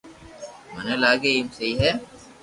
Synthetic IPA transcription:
mənelaːɡemseiɦɛː

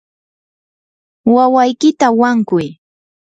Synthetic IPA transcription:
wawajkɪt̪awaŋkʊj

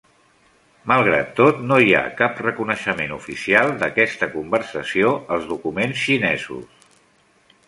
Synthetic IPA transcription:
məlˠɣ̞ɾa̰t̪ːot̪noia̰kaprəkunəʃəmenufisialˠd̪əkɛst̪əkumbərsəsioəlˠzðukumensʃinɛzṵs

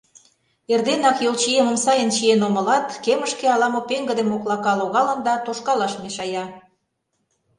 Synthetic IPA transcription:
erd̪enɑkjolt͡ɕieməmsɑjənt͡ɕienomə̆lɑt̪keməʃkeɑlɑmopeŋɡə̆d̪emoklɑkɑloɣɑlə̆nd̪ɑt̪oʃkɑlɑʃmeʃɑjɑ

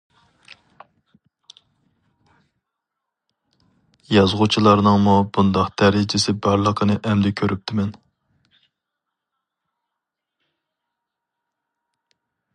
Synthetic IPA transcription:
jɑzʁʊt͡ʃʰilˠɑɾnɨŋmubund̪ɑqt̪ʰæɾɪd͡ʒɪsɪbɑɾlˠəqʰənɨʔɛmd̪ɛkʲʰøɾyp̚t̪ʰɪmɛn

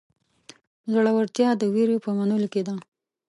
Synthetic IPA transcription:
zəɽawaɾt̪jɑd̪əwiɾopəmanəloked̪a

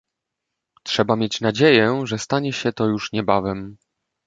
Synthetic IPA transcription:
tʂɛbamʲjet͡ɕnad͡ʑejɛʐɛst̪aɲɛɕɛt̪ɔjuʂɲɛbavɛm

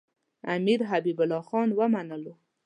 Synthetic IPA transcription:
a̰miɾɦabibʊlɑxɑnwəmanəlo

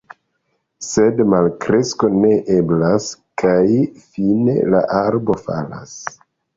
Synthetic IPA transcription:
se̞dmalkɾe̞sko̞ne̞ʔe̞blaskʰajfine̞̰la̰ʔaɾbo̞fa̰la̰s

